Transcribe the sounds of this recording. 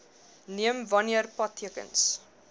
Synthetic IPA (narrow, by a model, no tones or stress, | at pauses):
niəmvɐniərpɐtʰːiəkə̰ns